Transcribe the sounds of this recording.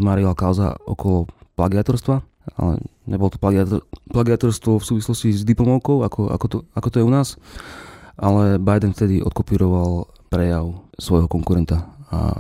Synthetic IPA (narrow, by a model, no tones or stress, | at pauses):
maːɾilakaʊza̰ɔ̰kɔlɔplaɡɪat̪ɔɾst̪ʋa | a̰lɛ̰ɲɛbɔlɔt̪ɔ̥plaɡaplaɡiat̪ɔɾst̪ʋɔfsuːʋislɔscizd̪iplɔmɔʊkɔʊakɔa̰kɔt̪ɔakɔt̪ɔjɛunaːs | ʔalɛbajd̪ɛnft̪ɛd̪iʔɔ̰t̪̚kɔpiːɾɔʋal | pɾɛjaʊsʋɔjɦɔkɔŋkuɾɛnt̪aa̰